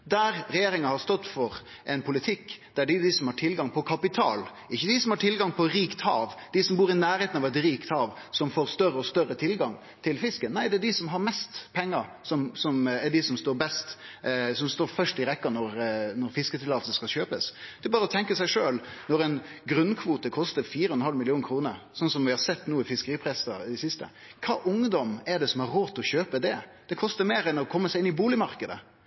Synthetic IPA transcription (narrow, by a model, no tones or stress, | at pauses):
d̪æɾɾɛjeːɾɪŋɑhɑɾst̪ɔt̪ːfɔɾ | ʔɛnpʰʊlɪt̪ʰɪkːd̪̥æɖɪd̪ɪsɔmhɑʈʰɪlɡɑŋpʰɔkʰɑpɪt̪ʰɑ̰ːl | ɪçːəd̪ɪsɔmhɑʈʰɪlɡɑŋpʰɔɾiːkt̪hɑ̰ːʋd̪̥ɪsɔmbuːɾɪnæːɾheːt̪nɑʋɛt̪ɾiːkt̪hɑːʋ | sɔmfoːɾst̪œɾəɔst̪œrət̪ʰɪlɡɑŋ | t̪ʰɪlfɪskənnːæɪd̪ɛæɖɪsɔmɦɑɾmɛst̪pʰɛŋːə | sɔmsɔmɛɖɪsɔmst̪oːɾbɛst̪sɔmst̪oːɾfœʂʈɪɾɛkːɑnɔɾnɔɾfɪskət̪ʰɪlɑːt̪səskɑlɕøːpəsd̪̥ɛɛbɑːɾəɔt̪ʰɛŋkəsæɪʂøːlnɔɾɛɪnɡɾʉnkʰʋuːt̪əkʰɔst̪əɾfiːɾəhɔnəhɑlmɪlɪuːnkʰɾuːnəɾsɔnːsɔmʋɪhɑsɛt̪ːnuːɪfɪskəɾiːpʰɾɛsə̰d̪ɪsɪst̪ə̰kʰɑ̰ːʔʊŋd̪ɔmɛɖ̪ɛsɔmɛɾɾoːt̪ʰɔçøːpəd̪ɛd̪̥ɛkʰɔst̪əɾmeːɾɛnɔkʰɔmːəsæɪɪnːɪbuːlɪmɑɾkəd̪ə̰